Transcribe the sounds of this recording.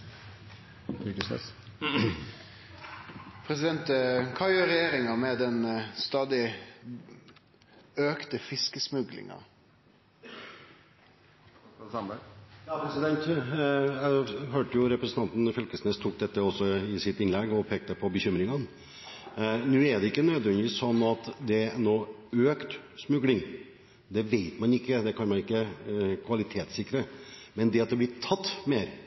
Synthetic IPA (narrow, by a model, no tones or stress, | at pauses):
kəsɛ̰ | pʰɾɛsɪd̪ɛnt̪kʰɑːjøːɾɛjeːɾɪŋɑmɛd̪ɛnst̪ɑːd̪ɪ | øːkt̪əfɪskəsmʉɡlɪ̰ŋɑ̰ | sɑjɑːpʰɾɛsɪd̪ɛnt̪ | jæɪɦøːʈəjʊɾɛpɾəsn̩ɑnt̪n̩fœlkəsneːst̪ʰuːk̚d̪ɛt̪ːəɔsːɔɪsɪt̪ɪnlɛɡːɔpʰeːk̚t̪əpʰɔbəçʏmɾɪŋɑn | nʉːæɖ̪ɛɪkːənøːd̪ʋɛnd̪ɪʋiːssɔnːɑt̪d̪ɛnoː | øːkt̪smʉɡlɪŋ | d̪ɛʋeɪt̪mɑnɪkːəd̪ɛkʰɑnmɑnɪkːəkʰʋɑlɪt̪ʰeːt̪sɪkːɾəmɛnd̪ɛɑt̪̚d̪ɛblɪtʰɑt̪ːmeːɾ